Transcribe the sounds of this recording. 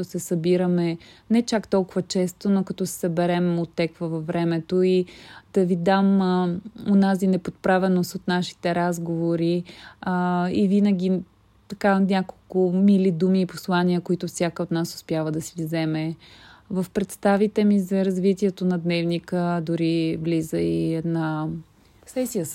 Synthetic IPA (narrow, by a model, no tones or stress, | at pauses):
ʊsɛsɐbiɾəmɛnɛt͡ʃakt̪ɔlˠkʊvət͡ʃɛst̪onokɐt̪ɔsɛ̥sɐbɛɾɛmot̪ːɛkvəvɐvvːɾɛmɛt̪oid̪̥ɐvid̪am | onazinɛpot̪̚pɾavɛnost̪ot̪naʃi̥t̪ɛɾazɡovoɾi | ivinəɡʲi | t̪ɐkanʲakolˠkʊmilid̪umiːposlˠaniəkoit̪ʊfsʲjakəot̪nasʊ̥spjavəd̪ɐsivzɛmɛvəfpɾɛt̪st̪avit̪ɛmizɐɾɐzvit̪iɛt̪onɐd̪nɛvnikəd̪ʊɾivlizəinɐ | sɛsiə